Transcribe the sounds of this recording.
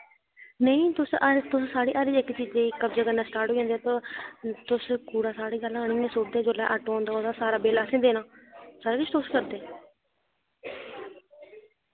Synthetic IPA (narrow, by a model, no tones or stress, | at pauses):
nəĩːt̪ʊst̪ʊssaːɽiːʔaːɾiːɪkt͡ʃiːd͡ʒeːkəbd͡ʒəɡaːnãːsʈaːɾʈoːẽːnd̪eɛːt̪õːt̪ʊskuːɽaːsaːɽiːɡəlaːɽ̃iːmẽːsoːt͡ʃd̪ẽːd͡ʒoːlaːʔaːʈoːoːnd̪aːoːd̪aːsaːɾaːbeːlaːsẽːd̪eːnãːsaːɾeːkɪt͡ʃʰt̪ʊskəɾd̪eː